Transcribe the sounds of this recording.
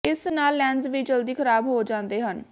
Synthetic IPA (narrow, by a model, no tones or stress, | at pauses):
ɪsnaːlːɛ̃ːnzʋiːd͡ʒəld̪iːkʰəɾaːbɦoːd͡ʒãːnd̪eːɦən